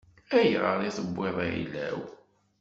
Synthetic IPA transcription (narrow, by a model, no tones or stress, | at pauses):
æjʁəɾˤiθəbːɪðˤaḭlæ̰w